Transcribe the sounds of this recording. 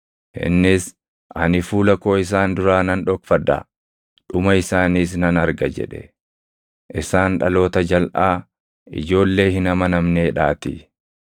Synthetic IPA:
hɪ̰nːɪs | ʔɐnɪfuːlɐko̞ːɪs̬aːnd̪ʊɾaːnɐnᶑɔkfɐd̪a̰ | ᶑʊmɐɪsaːniːs̬nɐnɐɾɡɐd͡ʒɛ̰ᶑɛ̰ | ʔɪsaːnᶑɐ̰lo̞ːt̪ɐd͡ʒɐlʔaː | ɪ̰d͡ʒo̞ːlːe̞ːhɪnɐmɐnɐmne̞ːᶑaːt̪ɪ

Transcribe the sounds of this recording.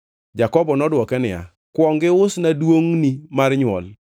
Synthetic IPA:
d͡ʒakɔbɔnɔdwɔkɛnɪa̰ | kwɔŋɡɪʊsnadwoŋnimarɲwɔ̰l

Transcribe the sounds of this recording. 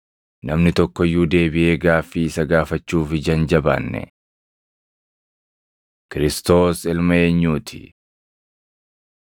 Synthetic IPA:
nɐmnɪt̪ɔkːɔjːuːd̪e̞ːbɪʔe̞ːɡaːfːiːɪsɐɡaːfɐt͡ʃːuːfɪd͡ʒɐnd͡ʒɐba̰ːnːɛ̰ | kɪɾɪst̪o̞ːsɪlmɐe̞ːɲːuːt̪ʰɪ̥̰

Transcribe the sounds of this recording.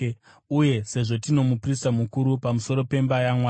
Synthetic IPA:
uje̞se̞ʐo̞tino̞mupristamukuɾupamuso̞ɾo̞pe̞mbajamwa

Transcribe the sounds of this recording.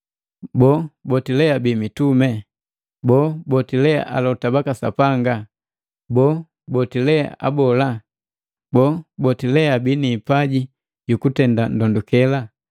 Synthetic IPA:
bɔbɔtilɛabimitumɛ | bɔbɔtilɛa̰ʔa̰lɔtabakasa̰paŋɡa | bɔ | bɔtilɛa̰ʔa̰bɔla | bɔbɔtilɛabiniːpaɟi | jukutɛndan̩dɔndukɛla

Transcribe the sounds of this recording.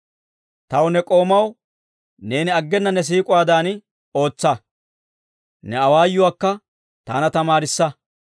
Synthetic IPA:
t̪ɐwnɛkʼo̞ːmɐw | ne̞ːnɪɐɡːɛnːɐnɛs̬iːkʼʊwaːd̪aːn | o̞ːt͡sːɐ | nɛɐwaːjːʊwaːkːɐ | t̪a̰ːnɐt̪ɐmaːɾɪsːɐ

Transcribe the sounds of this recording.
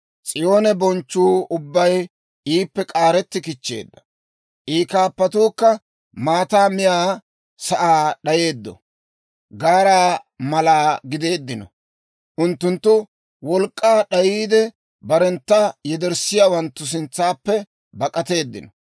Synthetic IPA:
t͡sʼɪjo̞ːnɛbɔnt͡ʃːuːʊbːɐj | iːpːɛkʼaːɾɛt̪ːɪkɪt͡ʃːe̞̰ːd̪ːɐ̥ | ʔiːkaːpːɐt̪uːkːɐ | maːt̪aːmɪjaː | sɐʔaːɗɐje̞ːd̪ːɔ̰ | ɡaːɾaː | mɐlaːɡɪd̪e̞ːd̪ːɪnɔ̰ | ʔʊnt̪ːʊnt̪ːʊ | wɔlkʼːaːɗɐjiːd̪ɛ | bɐɾɛnt̪ːɐjɛd̪ɛɾsɪjaːwɐnt̪ːʊs̬ɪnt͡sːaːpːɛ | bɐkʼɐt̪e̞ːd̪ːɪnɔ

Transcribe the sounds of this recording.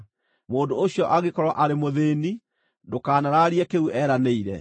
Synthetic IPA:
moːndooɕiɔʔaɣekɔɾwaʔaɾemoðeːni | ndokaːnaɾaɾiɛkeuʔɛɾaneiɾɛ̰

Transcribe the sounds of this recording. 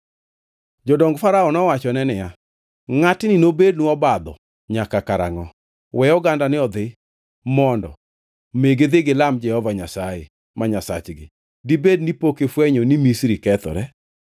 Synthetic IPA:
d͡ʒɔdɔŋɡfaɾaɔnɔwat͡ʃɔnɛnɪja | ŋatnɪnobednuɔbad̪ɔ̰ | ɲakakaɾa̰ŋɔ | wʔɛjɔɡandanɪɔd̪ɪ | mɔndɔ̰ | meɡɪd̪ɪɡɪlamd͡ʒɛhɔvaɲasajḛ | maɲasa̰t͡ʃɡɪ̰ | dibed̚nipokefwɛɲonimisɾikɛt̪ɔ̰ɾɛ

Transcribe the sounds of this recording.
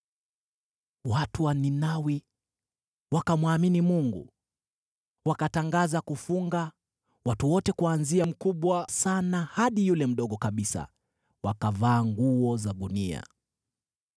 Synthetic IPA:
watuwaninawi | wakamwaminimuŋɡṵ | wakataŋɡazakufuŋɡa | watuwɔtɛkuanziam̩kuɓwasanahaɗijulɛm̩ɗɔɠɔkaɓisa̰ | wakavaːŋɡuɔzaɗunia̰

